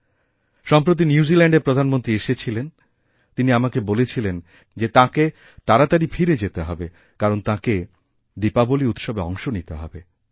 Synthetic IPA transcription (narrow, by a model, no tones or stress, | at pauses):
ʃɔmpɾot̪̬injuzilɛɳɖeɾpɾod̪ʱanmont̪ɾieʃet͡ɕʰilen | t̪iniamakebolet͡ɕʰilen | d͡ʑet̪ãke | t̪aɾat̪aɾifʰiɾed͡ʑet̪eɦɔbe | kaɾont̪ãke | d̪ipaboliut̪ʃɔbeɔ̰ŋʃonit̪eɦɔ̰be